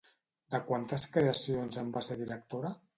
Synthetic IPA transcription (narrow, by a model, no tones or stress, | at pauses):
d̪əkwant̪əskɾeəsionzəmbaseɾðiɾək̚t̪oɾə